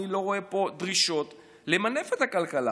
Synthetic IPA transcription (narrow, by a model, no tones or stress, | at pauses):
ilo̞ʁo̞e̞po̞dʁiʃo̞t | lemane̞fethakalkala